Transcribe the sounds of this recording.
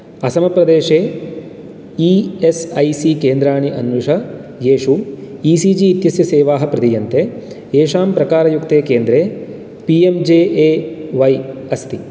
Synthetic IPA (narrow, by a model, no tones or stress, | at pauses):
ɐsɐmɐpɾɐd̪eːʂeː | iːesɐjsikeːnd̪ɾaːɳiʔɐnʋuʂɐ | jeːʂuiːsiːd͡ʒiːt̪jɐsjɐseːʋaːɦɐpɾɐd̪ijɐnt̪e | eːʂaːmpɾɐkaːɾɐjukt̪eːkeːnd̪ɾeː | piemd͡ʒeːʔeːʋɐjɐst̪i